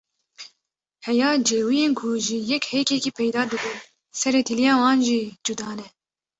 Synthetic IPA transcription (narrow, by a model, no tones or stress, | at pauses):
hɛjɑːd͡ʒeːwijeːnkʰuʒijɛkhɛkɛkiːpʰɛjd̪ɑːd̪ɨbu | sɛɾeːt̪ʰilijɑːwɑːnʒiːd͡ʒud̪ɑːnɛ